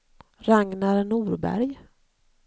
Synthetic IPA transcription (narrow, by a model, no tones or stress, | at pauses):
ɾaŋnaɾnuːɾbæ̰ɾj